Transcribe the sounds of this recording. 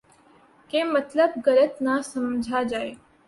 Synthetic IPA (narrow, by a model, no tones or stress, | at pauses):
kemət̪ləb̚ɡəɾət̪nasəmd͡ʒʱad͡ʒaːe